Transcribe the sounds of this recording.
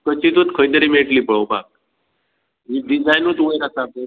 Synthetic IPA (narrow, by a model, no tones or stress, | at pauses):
kət͡ɕit̪ut̪kʰəit̪əɾimeʈlipəɭobak̚ | ɦiɖizajnut̪uʋeɾasab̪̚e